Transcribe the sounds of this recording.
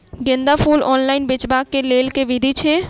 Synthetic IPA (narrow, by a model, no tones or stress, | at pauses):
ɡɪ̃nd̪apʰuːlɔːnlaːɪnbɪt͡ʃbaːkːeleːlkeʋɪd̪ʱit͡ʃʰeː